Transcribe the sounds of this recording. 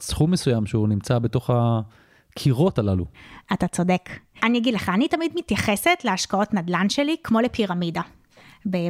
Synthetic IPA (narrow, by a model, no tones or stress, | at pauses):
sχumːesujamʃeunimt͡sabeto̞χa | kʰiʁo̞talalṵatat͡so̞de̞kanijaɡidleχaːnitamidmitjaχese̞tleaʃkao̞tnadlanʃe̞likmo̞lepʰiʁamida | be